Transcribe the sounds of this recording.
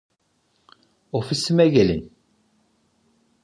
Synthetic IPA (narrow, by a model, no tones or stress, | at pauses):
ʊfisəmæʝælən